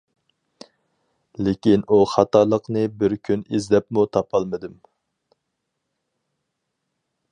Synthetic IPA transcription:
lɪkʲinʔuχɑt̪ɑlˠəqnɨbɪɾkʲʰynizlɛpmut̪ʰɑpʰɑlˠmɨd̪ɨm

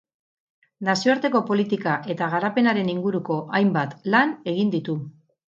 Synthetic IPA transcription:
nasioaɾt̪e̞ko̞po̞lit̪ikaʔe̞t̪aɣaɾape̞naɾe̞niŋɡuɾuko̞ʔajmbat̪lane̞ɣ̞ind̪it̪u

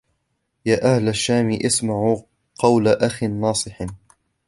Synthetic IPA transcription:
jaːʔahlaʃːaːmiːʔɪsmaʕu | qɑwlaʔaxinːɑːsˤɨħ

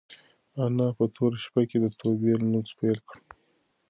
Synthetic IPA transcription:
anɑpət̪ʰoɾaʃpaked̪ət̪ʰobelnut͡spelkɽ

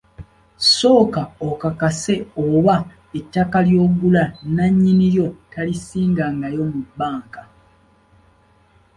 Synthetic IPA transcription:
so̞ːkaokakase̞oβa | etːakaljo̞ːɡulanaɲːiniɾjo̞talisiːŋɡaŋɡajo̞mubːaːŋka

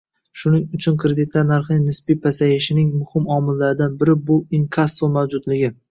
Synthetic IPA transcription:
ʃʊnɪŋʊt͡ʃʰʊnkʰɾed̪ɪt̪laɾnaɾχnɪnɪspipʰasajɪʃɪnɪŋmʊhɪmɒmɪlːaɾɪd̪anbɪɾɪbʊɪŋkʰasomawd͡ʒʊd̪lɪɡʲɪ

